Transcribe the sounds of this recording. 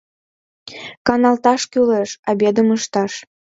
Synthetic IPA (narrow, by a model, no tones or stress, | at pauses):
kɑnɑlt̪ɑʃkyleʃɑbed̪əməʃt̪ɑʃ